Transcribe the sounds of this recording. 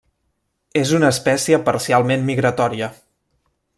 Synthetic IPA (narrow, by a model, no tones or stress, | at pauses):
ezunəːspɛsiəpəɾsialˠmemmiɣɾət̪ɔɾiə